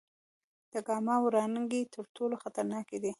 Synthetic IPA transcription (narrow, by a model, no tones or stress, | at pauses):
d̪̥əɡɑmɑwɾɑnəŋɡit̪ʰəɾʈʰoloxat̪aɾnɑked̪i